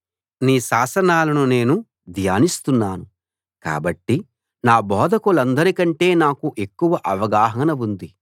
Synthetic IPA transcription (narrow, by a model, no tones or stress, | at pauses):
niːʃaːsɐnaːlɐnune̞ːnu | d̪ʱjaːnist̪unːaːnu | ka̰ːbɐʈːi | naːbɔːd̪ʱɐkulɐnd̪ɐɾikɐɳʈe̞ːnaːkuʔe̞kːuʋɐʔɐʋɐɡaːɦɐnɐʋund̪i